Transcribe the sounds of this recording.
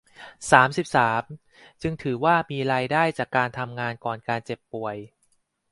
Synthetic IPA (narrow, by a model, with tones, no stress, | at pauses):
saː˩˦msi˨˩p̚saː˩˦m | t͡ɕɯ˧ŋt̪ʰɯː˩˦waː˥˩miː˧ɾaː˧jdaː˥˩jt͡ɕaː˨˩kːaː˧nt̪ʰa˧mŋaː˧nkɔː˨˩nkaː˧nt͡ɕe˨˩pːu˨˩əj